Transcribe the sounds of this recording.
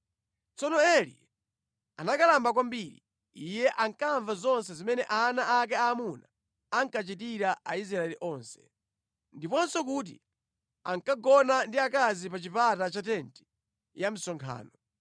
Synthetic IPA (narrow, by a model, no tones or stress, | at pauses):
t͡sɔnɔɛlḭ | a̰nakalambak̬wambiɾḭ | ijɛʔaŋkaɱvazɔns̬ɛzimɛnɛʔanaʔak̬ɛaːmunaː | ŋkat͡ʃitiɾaʔais̬ɾaɛliʔɔːnsɛ̥ | ndipɔnsɔk̬uːt̬ḭ | a̰ŋkaɡɔnandiakazip̬at͡ʃipatat͡ʃatɛnti̥ | jam̩sɔŋkʰa̰ːnɔ